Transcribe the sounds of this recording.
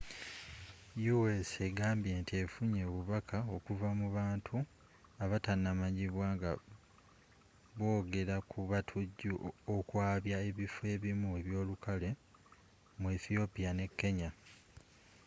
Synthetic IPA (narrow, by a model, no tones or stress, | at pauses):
juwese̞ɡaːmbje̞ːntie̞fuɲe̞βuβakʰao̞kuvamuβaːntʰu | aβatanːamaɲiβwaːŋɡa̰ | βo̞ːɡe̞ɾakʰuβatʰuɟːuokwaːβjae̞βife̞ːβimueβjo̞ːlukale̞ | mueθio̞pijane̞kːe̞ɲa